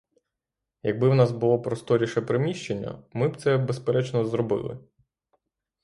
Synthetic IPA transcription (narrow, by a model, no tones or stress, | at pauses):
jɐɡ̚bɪwnɑzbʊlˠɔpɾɔst̪ɔɾʲiʃɛpɾɪmʲiʃt͡ʃenʲːɐ̰mɪbt̪sɛbespeɾɛt͡ʃnɔzɾɔbɪ̰lˠɪ̰